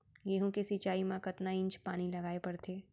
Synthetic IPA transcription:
jeɦõkesit͡ʃaːimãkɐt̪naɪ̃ɲt͡ʃpaːnilɐɡaːepɐɾt̪ʰeː

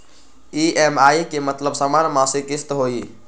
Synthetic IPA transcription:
iemajkemət̪ləbsəmanmãsekist̪ɦoi

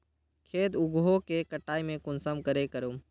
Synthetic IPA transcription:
kʰeːd̪ʊɡɦokekəʈaːimẽkʊnsəmkəɾekəɾuːm

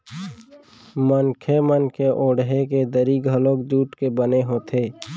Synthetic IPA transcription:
mənkʰemənkʰeʔõːɽɦeked̪əɾiɡʱəloːkd͡ʒuːʈkebəneɦoːt̪ʰeː

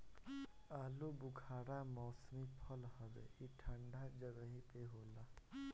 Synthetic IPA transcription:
aːlobʊɡʱʰaːɽamɔːsmipʰəlhəʋḛiʈʰə̃ɳɖad͡ʒəɡəɦipeɦoːlaː

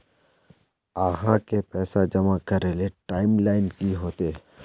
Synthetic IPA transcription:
aːɦãkepɛːsad͡ʒɐmakəɾeleʈaːɪmlaːɪnkiɦoːt̪e

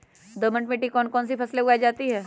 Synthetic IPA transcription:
d̪əmə̃ɳʈmẽʈikɔːnkɔːnsipʰɐsleʊɡaːid͡ʒaːt̪iɦɛː

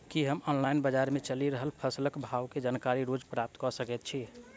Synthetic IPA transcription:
kiɦəmɔnlajnbəd͡ʒaɾmet͡ʃəliɾəɦəlpʰəsləkbʱawked͡ʒankaɾiɾod͡ʒpɾap̚t̪kɔsəkɛt̪̚t͡ʃʰi

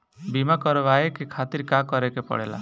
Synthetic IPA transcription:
bimakɔɾɔβaekekʰat̪iɾkakɔɾekepɔ̰ɽela̰

